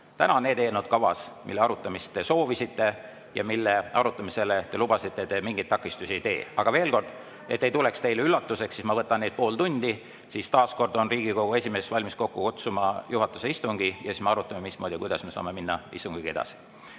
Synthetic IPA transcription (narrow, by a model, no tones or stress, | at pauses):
t̪ænɑonːeːd̪eːnud̪̥̚kɑvɑ̰smilːeɑɾut̪ˑːɑmist̪ːe̞so̞ːvisit̪ːe̞ | jɑ̰milːe̞ɑɾut̪ːˑɑmise̞let̪e̞lub̥ɑsit̪ːˑet̪e̞miŋɡijt̪ːɑkːˑist̪usiejt̪e̞̰ːɑɡ̥ɑve̞ːlko̞rd̪̥ | et̪ːejt̪ule̞kst̪e̞jleylːɑt̪ːˑuse̞ksːismɑvɤt̪ːˑɑned̪̚po̞ːlt̪unʲd̪̥i | siːst̪ɑːsko̞rd̪o̞nriːɡ̥iko̞ɡ̥ue̞sʲime̞svɑlʲmisko̞kːukut̪sumɑjuɦɑt̪ːˑu̥se̞ist̪uŋɡ̥ijɑ̰sismeɑɾut̪ːˑɑmemismo̞ːd̪ikujd̪̥ɑsme̞sɑ̰ːme̞minːɑḭst̪uŋɡ̥iɡ̥ie̞d̪̥ɑ̰si̥